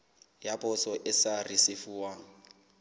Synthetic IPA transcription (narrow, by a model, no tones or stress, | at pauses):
japʰʼɔsɔʔɪsarisɪfuːwa